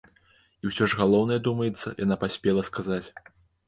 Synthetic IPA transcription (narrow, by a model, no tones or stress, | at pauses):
iwsʲɔʐɣalˠɔwnɐjɛd̪umɐjɛt̪sːɐ̰jʔa̰napasʲpʲɛlˠɐskazat͡sʲ